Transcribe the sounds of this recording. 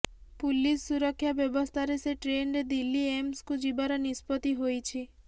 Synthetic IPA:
pulisːuɾɔkʰːjabjɔbɔst̪ʰaɾeseʈɾenɾed̪ilːiemskud͡ʒibaɾɔnispɔt̪iɦojt͡ʃʰi

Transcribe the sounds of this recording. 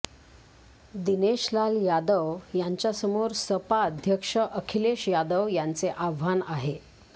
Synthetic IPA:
d̪ineɕlaljad̪əʋjaɲt͡ɕjasəmoɾsəpaːd̪ʱjəkʂəʔəkʰileɕjad̪əʋjant͡seʔaʋʋanaɦe

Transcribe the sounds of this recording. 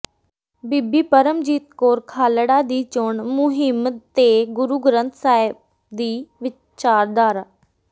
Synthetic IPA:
bibiːpəɾəmd͡ʒiːt̪koːɾkʰaːləɽaːd̪iːt͡ʃoɳmʊɦɪmt̪eːɡʊɾuɡɾə̃nt̪ʰsaːɪb̚ | d̪iːʋɪ | t͡ʃaːɾd̪aːɾa

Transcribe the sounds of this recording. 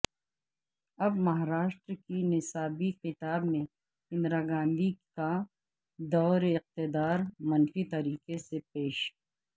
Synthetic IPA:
ɐbmɐɦaɾaːʃʈɾkinɪsaːbiqɪt̪aːbmẽ | hɪ̃nd̪ɾaɡãːnd̪ika | d̪ɔːɾɪq̚t̪ɪd̪aːɾmɐnfit̪ɐɾiːqesepeːʃ

